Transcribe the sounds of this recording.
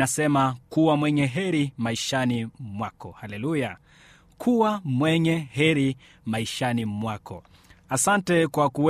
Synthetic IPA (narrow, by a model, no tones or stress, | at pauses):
nasɛmakuwamwɛɲɛɦɛɾimaiʃanimwakɔ̰halɛluja | kʰuwamwɛɲɛɦɛɾi | maiʃanimwakɔ | asantɛkwaku